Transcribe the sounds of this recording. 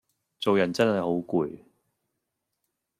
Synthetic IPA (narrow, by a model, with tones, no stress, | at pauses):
t͡so˨wjɐ˨˩nt͡sɐ˥nhɐ˨jho˨˥wkuː˨˧j